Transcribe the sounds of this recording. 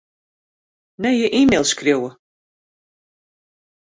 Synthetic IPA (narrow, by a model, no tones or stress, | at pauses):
nɛjəʔimelˠskrjowə